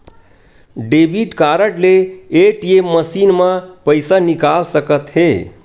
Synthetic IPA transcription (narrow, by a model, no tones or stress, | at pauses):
ɖebʱiʈkaɾəʈleeʈjemmːəsinmãpəɪsanikalsəkət̪ɦe